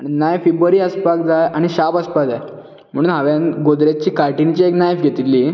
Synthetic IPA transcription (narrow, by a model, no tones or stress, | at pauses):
aninajfibɾuəɾiːəspakd͡zajaɽ̃iɕapəspakd͡zaj | m̤əɽ̃uːnɦaʋjanɡod̪ɾat͡ɕiːkaɾʈint͡ɕieknajfɡʱet̪ilːiː